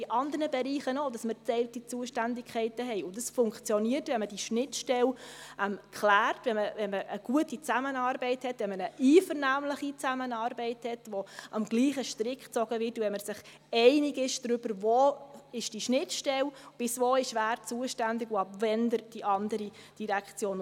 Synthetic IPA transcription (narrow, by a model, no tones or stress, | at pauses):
d̥iʔɑndəɾnəbɛɾiːχənodɑsməɾt͡sɛɪltit͡suəʃtændɪkʰχɛɪtəɦɛɪʊndɑsfʊŋkχt͡sjɔniərtvɛnməd̥iʃnɪtʃtɛlɛmkχlæːrtvɛməvɛnməʔəɡ̥uətit͡sæmənɑːrbɛɪthɛtʋɛnmənəʔiːfəɾnæːmləχit͡sæmənɑːɾbɛɪthɛtvoʔɑmɡ̥liːχəʃtɾɪkχt͡sɔɡ̥əvɪrtuʋɛnməsɪχ | ɛɪnɪɡɪʃd̥ɾʏb̥əɾvoːɪʃd̥iʃnɪtʃtɛlb̥ɪsvoːɪʃʋæːrt͡suəʃtændɪɡʊɑpvɛndəɾd̥iʔɑndəɾid̥iɾækχt͡sjoːn